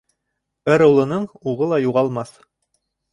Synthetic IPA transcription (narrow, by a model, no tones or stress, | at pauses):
ɘɾŏlˠɤ̆nɤɴuʁɤlˠɑjuʁɑlˠmɑθ